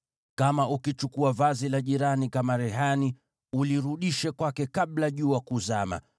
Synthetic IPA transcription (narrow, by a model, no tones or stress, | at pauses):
kamaʔukit͡ʃukuavazilaʄiɾanikamaɾɛɦani | uliɾuɗiʃɛkwakɛkaɓlaʄuːakuzama̰